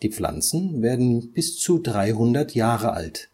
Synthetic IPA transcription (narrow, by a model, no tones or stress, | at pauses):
d̥iːp͡fla̰nt͡sn̩veːɐdn̩b̥ɪst͡sudʁaɪɦʊndɐtʰjaːʁəʔa̰lt